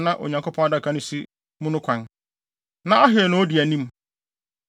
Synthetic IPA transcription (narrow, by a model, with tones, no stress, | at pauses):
nã˦ʔo̰˨ɲã˨kʰo˦pʰɔ̃˦a˦da˦˨kʰa˦nʊ̃˦si˦ | mʊ̃˦nʊ̃˦kʷʰã˨n | nã˦a˦ɦɪ˨ɛ˨nʊ̃˦o˦di˨æ˨nĩ˦m